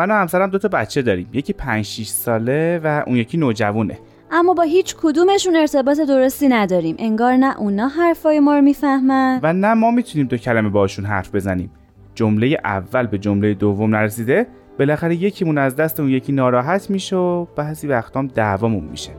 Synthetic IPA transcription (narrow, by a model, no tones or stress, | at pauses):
mænɔːhæmsæɾæmd̪o̞t̪ʰɒbæt̪t͡ʃʰe̞d̪ɒːɾiːmje̞cʰiːpʰænd͡ʒʃiʃsɒːle̞væʔṵːnjecʰiːnoːd͡ʒævuːne̞̰ | ʔæmːɒːbɒːɦiːt͡ʃʰkʰod̪uːme̞ʃune̞ɾt̪ʰe̞bɒːt̪ʰe̞d̪o̞ɾo̞st̪iːnæd̪ɒːɾiːmʔe̞ŋɡɒːɾnæʔunɒːɦæɾfɒːjemɒːɾomiːfæhmænvænæmɒːmiːt̪ʰuniːmd̪o̞cʰælæmebɒːʃunɦæ̰ɾfbe̞zænḭːm | d͡ʒomle̞jeʔæ̰vːælbe̞d͡ʒomle̞jed̪ovːomnæɾesiːd̪e̞ | b̥e̞læxæɾeje̞cʰimunæzd̪æst̪eunje̞cʰiːnɒːɾɒːɦæt̪ʰmiːʃeob̥æhsivæxt̪ʰɒːmd̪ævɒːmunmḭʃe̥